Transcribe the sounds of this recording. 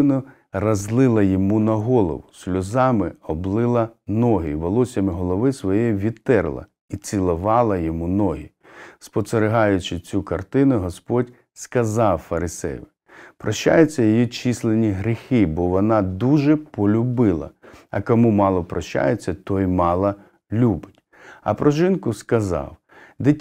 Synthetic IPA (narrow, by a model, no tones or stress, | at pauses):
nʊ | rɐzlˠɪlˠɐjɔmunɐɦɔlˠɔ̰ʋʊsʲlʲʊzɑmɪɔblˠɪlˠɐnɔɦɪ̰ʋɔlˠɔsʲɐmɪɦɔlˠɔʋɪsʋɔjɛʋʲid̪t̪ɛrlˠɐ̰ | it͡sʲilˠɔʋɑlˠɐjɔmunɔɦi | spɔseɾeɦɑjʊt͡ʃɪt͡sʲukɐrt̪ɪnʊɦɔspɔdʲ | skɐzɑwfɐɾɪsɛ̰jʋɪ | pɾɔʃt͡ʃːa̰jʊt͡sʲːɐjɔjit͡ʃislˠenʲiɦɾʲixɪbɔʋɔnɑd̪uʒɛpɔlʲʊbɪlˠɐ̰ɐ̰kɔmumɑlˠɔpɾɔʃt͡ʃa̰jet͡sʲːɐt̪ɔjmɑlˠɐ | lʲubɪtʲ | ɐ̰pɾɔʒɪnkʊskɐzɑ̰w | d̪ɪtʲ